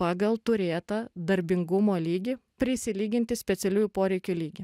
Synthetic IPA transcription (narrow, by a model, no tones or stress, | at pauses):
ɑːɡɐlˠt̪ʊɾʲeːt̪ɐd̪ɐɾʲbʲɪŋɡʊmoːlʲiːɡʲipʲɾʲɪsʲɪlʲiːɡʲɪnʲt̪ʲɪsʲpʲɛt̪sʲɛlʲuːjupoːɾʲɛɪkʲulʲiːɡʲɪ